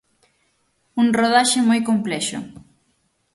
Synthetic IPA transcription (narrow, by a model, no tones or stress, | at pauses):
uŋroðaʃɪemojkomplɛʃʊ̰